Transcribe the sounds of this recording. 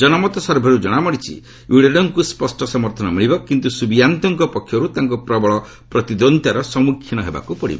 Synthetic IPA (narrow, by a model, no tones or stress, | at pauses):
d͡ʒɔnɔmɔt̪ɔsɔɾbʱɔɾud͡ʒɔɽ̃amɔɽit͡ʃʰḭ | uɽeɖɔŋkuspɔsʈɔsɔmɔɾt̪ʰɔnɔmiɭibɔkint̪usubijant̪ɔŋkɔpɔkʰːjɔɾut̪aŋkɔpɾɔbɔɭɔ | pɾɔt̪id̪ɔnt̪jaɾɔsɔmukʰjinɔɦeba̰kupɔɽḭbɔ